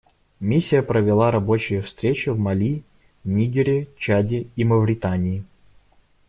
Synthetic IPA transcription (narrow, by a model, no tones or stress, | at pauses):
mʲisʲːɪjəpɾəvʲɪlˠaɾɐbo̞t͡ɕɪjəfst̪ɾʲet͡ɕɪvmɐlʲi | nʲiɡʲɪɾʲɪt͡ɕadʲɪiməvɾʲɪt̪anʲɪjɪ